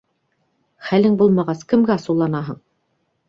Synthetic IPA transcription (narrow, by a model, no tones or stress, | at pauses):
χælɘŋbulˠmɑʁɑskɘ̆mɡæɑsɤ̆lˠːɑnɑɦɤɴ